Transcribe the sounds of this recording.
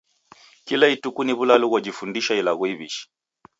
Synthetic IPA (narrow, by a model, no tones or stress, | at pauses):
kilaitukuniβulaluɣɔd͡ʒifundiʃailaɣuiβḭʃi̥